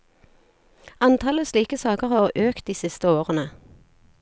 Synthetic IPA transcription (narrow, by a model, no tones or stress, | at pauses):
ɑnt̪ʰɑləsliːkəsɑːkəʁhɑːøːkt̪̚d̪iːsɪst̪əoːʁənə